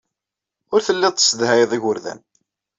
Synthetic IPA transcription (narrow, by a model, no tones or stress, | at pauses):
ʊɾθəlːɪðˤt̪əsəd̪hæjðˤiʝʊɾðæ̰n